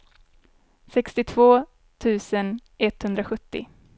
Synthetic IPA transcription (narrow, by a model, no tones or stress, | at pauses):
sɛkst̪ɪt̪ʰv̥oː | t̪ʰʉ̟ːsənʔɛt̪ːhɵnd̪ɾaɧɵt̪ːɪ̰